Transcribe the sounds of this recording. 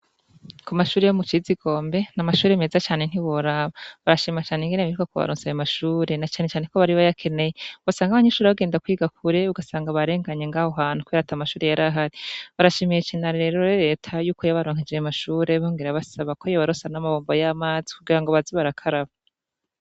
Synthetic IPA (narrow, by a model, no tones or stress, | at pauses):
kumaʃuːɾejomut͡ʃiziɡo̞ːmbe̞namaʃuːɾemezat͡ʃaːne̞n̥iβoɾaβaβaɾaʃimat͡ʃaːneŋɡeneβiɾukakoβa̰ɾoːnsejamaʃuːɾe̞nat͡ʃaːnet͡ʃaːne̞ko̞βaɾiβajakʰe̞ne̞jeuɡasaːŋɡaβaɲeʃuːɾeβaɡe̞ːndakwiːɡakʰuɾeuɡasaːŋɡaβaɾe̞ːŋɡaɲeŋɡaːhoɦaːn̥ukwiɾatamaʃuːɾe̞jaɾaɦaɾiβaɾaʃimijet͡ʃinaɾe̞ːɾoɾɾe̞ːtʰajuːkojaβaɾoːŋ̥id͡ʒejamaʃuːɾe̞βoːŋɡeɾaβasaβakojaβaɾosanamaβoːmbojamaːzi̥kuɡiɾaŋɡo̞βaziβaɾakʰaɾaβa